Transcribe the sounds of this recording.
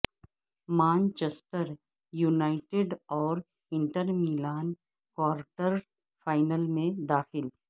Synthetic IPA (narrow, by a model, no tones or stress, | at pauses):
mãːnt͡ʃesʈəɾ | juːnaːɪʈeɖɔːɾ | ɪ̃ɳʈəɾmiːlaːn | kwaːɾʈəɾ | faːɪnəlmẽd̪aːxɪl